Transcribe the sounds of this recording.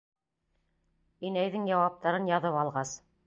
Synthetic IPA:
inæjðɘŋjɑwɑp̚t̪ɑɾɤnjɑðɤpɑlˠʁɑs

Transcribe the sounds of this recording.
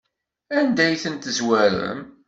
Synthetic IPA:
ænd̪æjθənt̪əzwæɾə̰m

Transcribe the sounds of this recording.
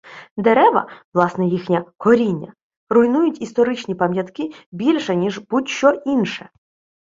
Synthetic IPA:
d̪eɾɛʋɐ̰ʋlˠɑsnɛjixnʲɐkɔɾʲinʲːɐ̰ | rʊjnujʊtʲist̪ɔɾɪt͡ʃnʲipɐmʲjɐt̪kɪbʲilʲʃɛnʲiʒbutʲʃt͡ʃɔʔinʃɛ

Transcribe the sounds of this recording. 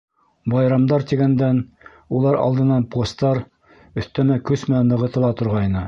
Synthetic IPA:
bɑjɾɑmd̪ɑɾt̪iɡænd̪æn | ulˠɑɾɑ̰lˠd̪ɤ̆nːɑnpost̪ɑɾ | ɵ̆θt̪æmækɵsmɘ̆nænːɤ̆ʁɤ̆t̪ɤ̆lˠɑt̪ŏɾʁɑjnɤ

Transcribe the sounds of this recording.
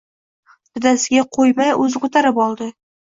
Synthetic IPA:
t̪ʰɪd̪asɪɡʲaqʰojmajɵzqʊt̪aɾɪpɒlˠd̪ɪ

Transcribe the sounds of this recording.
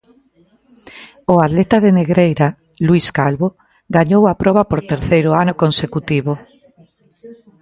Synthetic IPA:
ʊat̪let̪aðeneɣɾejɾa | luiskalβo | ɡaɲowapɾɔβapoɾt̪eɾθejɾʊanʊkonsekut̪iβo

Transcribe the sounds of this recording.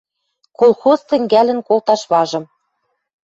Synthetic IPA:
kolˠxozt̪ɘ̆ŋɡælɘ̆nkolt̪ɑʃβɑʒɤ̆m

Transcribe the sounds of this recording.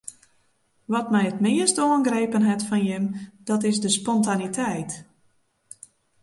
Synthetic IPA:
ʋɔtmɛjətmɪəstoənɡreːpənɦɛtfɔnjəmd̥ɔtɪzdəspɔntanitʰɛjt

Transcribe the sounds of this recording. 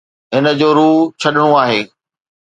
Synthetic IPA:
ɦɪnə̆d͡ʑoːɾuːt͡ɕʰɐɗɪɽ̃õaːɦeː

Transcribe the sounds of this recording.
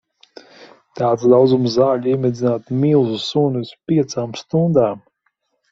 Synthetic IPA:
t̪aːt̪sd̪awd̪zumzzaːʎʲiɛmʲɛd̪zʲinaːt̪milˠzu̥sunuspʲiɛt̪saːmst̪und̪aːm

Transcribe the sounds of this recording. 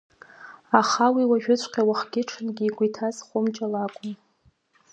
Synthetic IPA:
aχawiwaʒᶣʊt͡ɕʷʰʼqʲʼawaχɡʲɪʈ͡ʂʰɨnɡʲiːɡʷʼitʰazχʷʊmt͡ʃʼalakʷʼʊm

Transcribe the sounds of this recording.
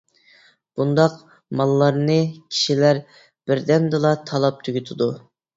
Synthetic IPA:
b̥und̪ɑq | mɑlˠːɑɾnɨkʲʰi̥ʃilæɾ | b̥ɪɾd̪ɛmd̪ɨlˠɑt̪ʰɑlˠɑp̚t̪ʰyɡʲyt̪ʰɪd̪u

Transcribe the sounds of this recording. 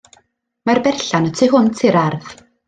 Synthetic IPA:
marbɛrɬanətʰiɦʊntʰiɾarð

